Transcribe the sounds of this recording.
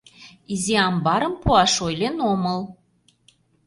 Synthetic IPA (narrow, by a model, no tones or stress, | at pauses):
iziɑmbɑɾəmpuɑʃojlenoməl